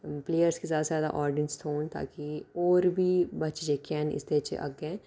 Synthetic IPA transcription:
pleːjəɾskizjaːd̪azjaːd̪a̰ʔɔːɾɖɪənst̪ʰoːnt̪a̰ːkiɔːɾbʱibɐt͡ʃd͡ʒekɛːnɪ̰st̪et͡ʃʰḛʔɐ̰ɡɛ̃ː

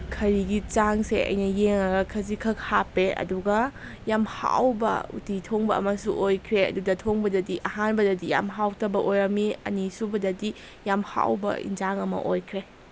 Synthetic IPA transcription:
kʰɐɾiɡit͡ʃaŋseɐ̰jnɐjeŋɐɡɐkʰɐzikʰɐkhapeɐ̰duɡɐ | jamha̰wbɐ̰ṵtitʰoŋbɐɐ̰mɐsuʔojkʰɾeɐ̰dudɐtʰoŋbɐdɐdiʔɐɦanbɐdɐdija̰mɦawtʰɐbɐʔojɾɐmiɐ̰nisubɐdɐdi | jamha̰wbɐ̰ḭnd͡ʒaŋɐmɐ̰ʔojkʰɾe

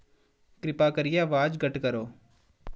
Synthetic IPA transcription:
kɾɪpaːkəɾɪjaʋaːd͡ʒɡəʈkəɾoː

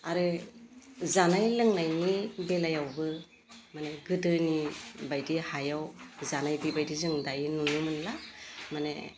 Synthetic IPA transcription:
aɾɯ | zanajlɯŋnajnibelajawbɯ | maneɡɯdɯnibajdihajawzanajbibajdizɯŋdajnunɯmɯnlamanḛ

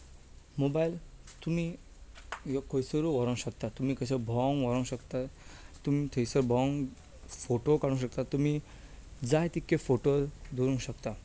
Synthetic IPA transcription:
mobailt̪um̤i | jɔkojsəɾuʋɔɾə̃ŋɕəkt̪at̪umiːkəɕabʱɔŋʋɔɾə̃w̃ɕəkt̪at̪umit̪ʰeisəɾbʱɔŋ | foʈokaɽũɕək̚t̪at̪umi | d͡zaɦjt̪ikːefoʈod̪ʱuɾũŋɕəkt̪a

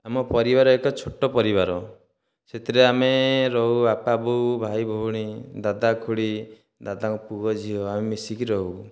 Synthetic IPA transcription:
amɔpɔɾibaɾɔekɔt͡ʃʰoʈɔpɔɾiβaɾɔ | set̪ʰiɾeameɾɔɦuapabubʱajbʱouɽ̃id̪ad̪akʰuɽi | d̪ad̪akupuɡɔd͡ʒʱiɔamemisikiɾɔɦu

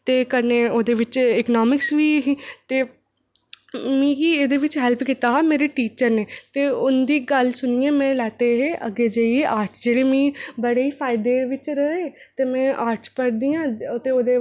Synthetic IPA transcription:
t̪eːkəɾneːoːd̪eːʋɪt͡ʃɪknɔːmɪksʋiːɦt̪eː | mɛ̃ːkiːeːd̪eːʋɪt͡ʃɦɛlpkit̪aːɦaːmeːɾeːʈiːt͡ʃəɾneːt̪eːʊnd̪iːɡəlsʊnijẽːmɛ̃ːlɛːt̪eɦeːʔə̰ɡeːd͡ʒəieʔaːɾʈʰd͡ʒeːɽeːmĩːbəɽeːiːpʰaːɪd̪eːʋɪt͡ʃɾəeː | t̪eːmɛ̃ːʔaːɾʈʰpəɽd̪ijãːt̪eːoːd̪eː

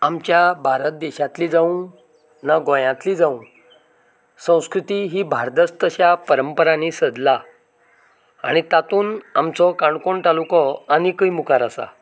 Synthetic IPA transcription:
amt͡ɕjabʱaɾət̪̚d̪eɕat̪liːd͡zaũ | naɡõjãt̪liːd͡zaũ | sə̃w̃skɾut̪iːɦiːbʱaɾt̪əst̪əɕapəɾəmpəɾaniːsəd̪la | a̰ɽ̃it̪at̪uːnamt͡sɔkaɳkoɳt̪alukɔanikəjmukaɾasa̰

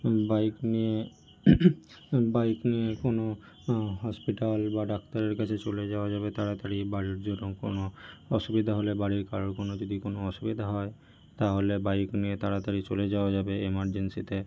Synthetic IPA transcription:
bajknije | bajkniekono | ɦɔspiʈalbaɖakt̪aɾeɾkat͡ɕʰet͡ɕoled͡ʑaoad͡ʑabet̪aɾat̪aɾibaɽiɾd͡ʑonːoŋko̰noɔʃubid̪ʱaɦolebaɽiɾkaɾoɾkonod͡ʒod̪ikonoɔʃubid̪ʱaɦɔe | t̪aɦolebajkniet̪aɾat̪aɾit͡ɕoled͡ʑaoad͡ʑabeemaɾd͡ʑensit̪e

